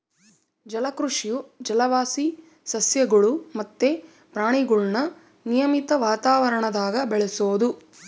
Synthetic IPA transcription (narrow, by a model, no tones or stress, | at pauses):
d͡ʒɐlɐkɾuʂijud͡ʒɐlɐʋaːsi | sɐsjɐɡɐɭumɐt̪ːe | pɾaːɳiɡuɭnɐ | nijɐmit̪ɐʋaːt̪aːʋɐɾɐɳɐd̪aːɡɐbɛɭesoːd̪u